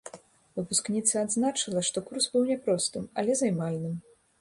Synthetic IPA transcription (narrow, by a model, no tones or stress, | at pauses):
vɨpusknʲit̪sɐad̪znat͡ʂɐlˠɐʂt̪ɔkursbɨwnʲɛpɾɔst̪ɨmɐ̰lʲɛzajmalʲnɨm